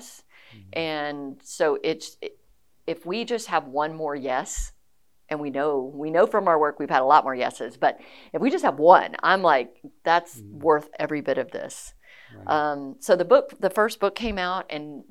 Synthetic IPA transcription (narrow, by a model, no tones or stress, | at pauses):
sʔɨ̃nsoʊʔɪt | ɨfwid͡ʒʌst̚həvwʌ̃nmɔɹjɛs | ʔɨ̃nwinoʊwinoʊfɹʌ̃maʊə˞wɜ˞kwiv̥ɨɾəlɔt̚mɔɹjɛ̰sɨzb̥ʌɾɨfwid͡ʒʌst̚həvwʌ̰̃nã̰ɪ̃mlaɪk̚ðætswɜ˞θɛvɹibɪɾʌvðɪ̰s | ʔʌ̃msoʊðɨbʊk̚ðɨfɜ˞sb̥ʊkʰẽɪ̃maʊɾɨ̃n